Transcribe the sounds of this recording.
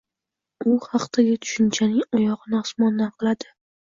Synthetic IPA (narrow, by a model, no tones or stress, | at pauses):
ʊhɑqt̪ʰaɡʲat̪ʰʊ̥ʃɪnt͡ʃʰanɪŋɒjɒʁɨnɪɒsmɒnːanqʰɨlˠad̪ɪ